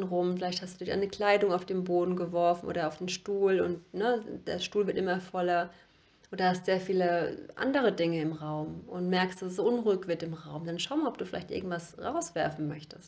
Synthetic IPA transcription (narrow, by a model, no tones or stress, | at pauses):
nʁʊmfɪlaɪçthasd̥uːdɪçda̰ɪnəkl̥aɪdʊŋaʊfd̥eːmboːdn̩ɡəvɔɐfn̩ʔo̰ːdɐaʊfd̥eːnʃtuːlʊ̰ntnəd̥ḛːɐʃtuːlvɪɐtʔɪmɐfɔlɐ | ʔoːdhastz̥eːɐfiːləʔa̰ndəʁ̞ədɪŋəɪmʁaʊmʔʊntmɛɐkstd̥assz̥oʔʊnʁuːɪkv̥ɪɐtɪmʁaʊmd̥anʃaʊmalɔp̚d̥uːfɪla̰ɪçtʔɪ̰ɐɡŋ̩tv̥asʁaʊsv̥ɛɐfn̩mœçtəst